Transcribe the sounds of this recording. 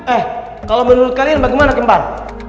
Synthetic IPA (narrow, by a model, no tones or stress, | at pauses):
ɛh | kalomənuɾʊt̪̚kalianbaɡajmanakəmbar